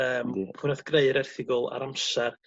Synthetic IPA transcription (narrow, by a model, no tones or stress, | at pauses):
əːmpʰʊnaθɡ̥reɨɾɛrθɪɡʊlˠa̰ɾamsar